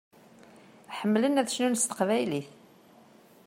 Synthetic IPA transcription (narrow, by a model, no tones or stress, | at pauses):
ħəmːlənæðʃnunst̪ə̥qvæjliθ